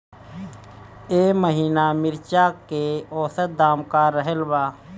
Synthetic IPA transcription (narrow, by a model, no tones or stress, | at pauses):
eːməɦiːnaːmɪɾt͡ʃaːkeɔːsət̪̚d̪aːmkaɾəɦəlbaː